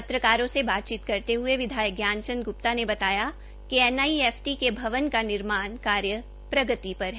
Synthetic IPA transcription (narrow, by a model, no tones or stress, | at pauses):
pɐt̪ɾəkaːɾõsebaːt̪̚t͡ʃiːt̪kɐɾt̪eɦʊeʋɪd̪ʱaːjəɡjaːnt͡ʃə̃nɡʊpt̪anebɐt̪aːja | kiɛnaːiɛːfʰʈikebʱɐʋənkanɪɾmaːnkaːɾjə | pɾɐɡət̪ipɐɾɦɛ